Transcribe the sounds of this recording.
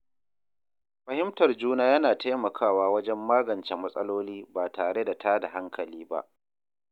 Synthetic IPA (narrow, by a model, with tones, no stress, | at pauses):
ɸɐ˨hɪ˦mtɐ˨rd͡ʒuː˦naː˦jɐ˦naː˨ta˦jmɐ˨kʰaː˦˨waː˦wɐ˦d͡ʒɛ˦mːaː˦ɡɐ˨nt͡ʃɛ˨mɐ˦sʼɐ˦loː˦liː˦baː˨taː˨ɽe˦da˨tʰa˦da˨ɦa˦ŋkʰɐ˨liː˦ba̰˦ʔ